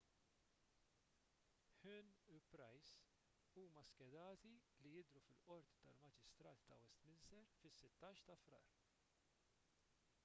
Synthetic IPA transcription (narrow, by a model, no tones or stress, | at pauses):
ħʉnupɾɐjs | uːmɐskɛd̪ɐːt̪ilijɪd̪ɾufɪlʔɔɾt̪i̥t̪ɐlmɐd͡ʒɪst̪ɾɐːt̪ːɐwɛst̪mɪnsɛɾfɪsːɪt̪ːɐːʃt̪ɐfɾɐ̰ːɾ